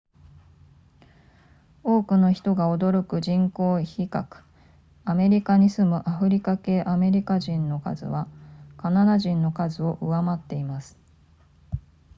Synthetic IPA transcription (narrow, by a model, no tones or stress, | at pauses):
o̞ːkɯ̟no̞çi̥t̪o̞ɡao̞d̪o̞ɾo̞kɯ̟ʑĩŋko̞ːçikakɯ̥ | ame̞ɾʲikaɲ̟isɨmɯ̟ʔaɸɯ̟ɾʲikake̞ːʔame̞ɾʲikaʑĩnːo̞ka̰zɨ̰βakanad̪aʑĩnːo̞kazɨo̞ʔɯβamat̪ːe̞imasɨ̥